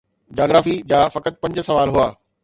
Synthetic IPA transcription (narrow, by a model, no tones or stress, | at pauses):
d͡ʑaːɡɾaːfid͡ʑaːfɐkət̪̚pɐ̃ɲd͡ʑsɐʋaːlɦʊaː